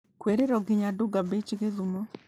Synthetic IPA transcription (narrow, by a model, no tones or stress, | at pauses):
kweɾeɾɔɡɪɲaduɡabet͡ʃiɣeðumɔ